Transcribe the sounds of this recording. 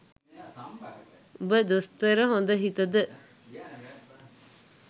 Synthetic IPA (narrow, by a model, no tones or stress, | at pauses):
ubəd̪ust̪əɾəɦond̪əɦit̪əd̪ə